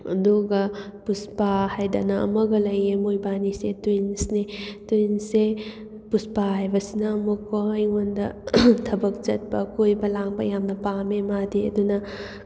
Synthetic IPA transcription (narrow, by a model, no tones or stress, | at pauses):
ɐ̰nduɡɐpuspahajda̰nɐɐ̰mɐɡɐlɐjemojbanisetjnsnetujnse | puspahajbɐsinɐːmukojŋondɐtʰɐbɐk̚d͡ʒɐt̚pɐkojbɐlaŋbɐ̰jamnɐpamemadiɐ̰dunɐ